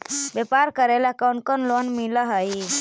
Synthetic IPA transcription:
bepaɾkəɾeləkawɳʈ̚konlonmiləɦəji

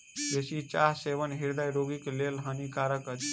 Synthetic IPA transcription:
d͡ʒesit͡ʃaɾseʋənɦiɾd̪ajɾoɡiklelɦənikaɾəkət͡ʃʰ

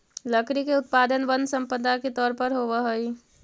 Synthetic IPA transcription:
ləkɾikeʊt̪̚paːd̪ənʋənsə̃mpəd̪ʱaket̪ɔːɾpəɾɦoːʋəɦəi

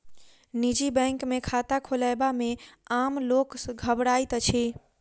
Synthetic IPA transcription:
nid͡ʒibɛ̃ŋkmekʰat̪akʰolaebameamloksɡʱəbɽajt̪t͡ʃʰi

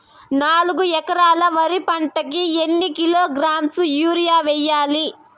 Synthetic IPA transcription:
naːluɡuɛkɐɾaːlɐʋɐɾipɐɳʈɐkienːikiloːɡɾaːmsujuːɾijaːʋɛjːaːli

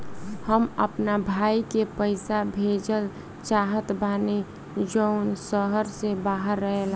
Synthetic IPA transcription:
həmə̰pnabʱaːikepəɪsabʱed͡ʒəl | t͡ʃaːɦət̪baːni | d͡ʒəʊnsəɦəɾsebaɦəɾːəɦel

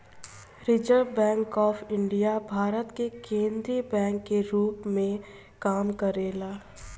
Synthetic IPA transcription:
ɾɪd͡ʒəɾbɛ̃ːŋkɔːfɪ̃ɳɖijabʱaːɾət̪kekẽːnd̪ɾibɛ̃ːŋkːeɾuːpmẽ | kaːmkɐɾeːlaː

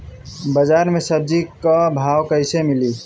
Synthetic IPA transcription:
bəd͡ʒaɾmesəb̚d͡ʒikabʱawkəɪsemili

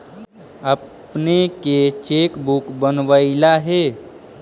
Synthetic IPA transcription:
əpneket͡ʃeːkbukbənʋəɪlaɦeː

